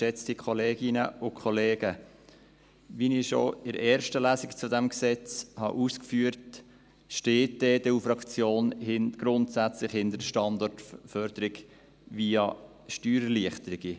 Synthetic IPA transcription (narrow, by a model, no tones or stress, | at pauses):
ʃɛt͡stikʰoleːɡ̥ɪnəʊkʰχɔleːɡ̥ə | ʋiniʃo̰ɪɾɛːɾʃtəlæːsɪkt͡sud̪ɛmksɛt͡shɑ̰ʔuːskfyːəɾt | ʃteːtd̥ɛːd̥ɛufɾɑkt͡sjoːnhɪnɡ̥ɾʊntsæt͡slɪχhɪntdədəʃtɑnd̪ɔrtfœɾd̥əɾɪɡ | viːɑ | ʃtyːɾəliəχtəɾɪɡ̥i